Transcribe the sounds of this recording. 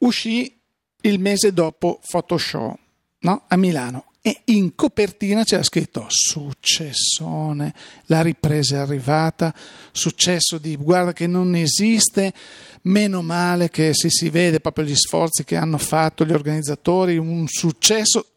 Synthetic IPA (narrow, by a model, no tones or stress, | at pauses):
uʃi | ilmeːzed̪ɔːpofot̪oʃɔ̰ | nɔamilaːno | eiŋkopert̪iːnat͡ʃɛaskɾit̪ːosut͡ʃːesːoːnelaɾipɾeːzaarːivaːt̪asut͡ʃːɛsːod̪iɡward̪akenonezist̪emeːnomaːlekesesiveːd̪epɾɔːpɾjoʎisfɔ̰rt̪sikeanːofat̪ːoʎiorɡanid̪zːat̪oːɾiunsut͡ʃːɛsːo